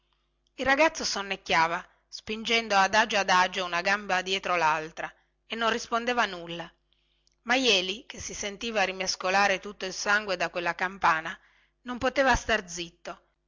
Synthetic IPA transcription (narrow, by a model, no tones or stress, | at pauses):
ilrːaɡat̪sosonːekːjaːva | spind͡ʒɛnd̪oad̪ad͡ʒoad̪ad͡ʒounaɡambad̪jɛːt̪ɾolalt̪ɾa | enːonrispond̪eːvanulːa | majɛːlikesːisent̪iːvaɾimeskolaːɾet̪ut̪ːoilsaŋɡwed̪akwelːakampaːna | nompot̪eːvast̪ard̪zit̪ːo